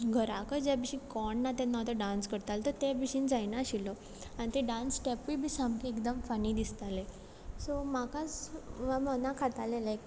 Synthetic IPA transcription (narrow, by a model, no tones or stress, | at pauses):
ɡʱəɾakəd͡ʑabiɕĩkɔɳːat̪ɛ̃nːat̪əɖãnskəɾt̪alt̪əɾt̪ebiɕind͡zajnaɕilɔ | anit̪eɖãnsʈɛpʋibʱisamkeekd̪əmfəniːd̪ist̪ale | somakat͡sʋamənakʰat̪alelek